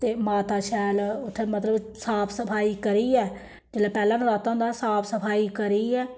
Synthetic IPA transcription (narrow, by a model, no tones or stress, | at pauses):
t̪eːmaːt̪aːʃɛːlʊt̪ʰːeːmət̪ləb | saːpʰsəpʰaːiːkəɾiːɛː | d͡ʒeːlaːpɛːlãːnɾaːt̪ãːnd̪aːsaːpʰsəpʰaːiːkəɾiːɛː